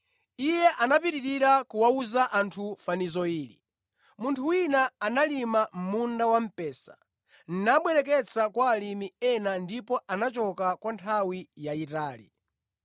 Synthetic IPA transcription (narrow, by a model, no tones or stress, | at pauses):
ijɛʔanapiɾiɾiɾakuwauzaʔantʰufanizɔiːɾḭ | muntʰuwinaːnalimam̩mundawam̩pɛːsḁ | n̩naɓwɛɾɛk̬ɛt͡sʰakwaːlimiɛnandipɔanat͡ʃɔkakwantʰawijaitaːlḭ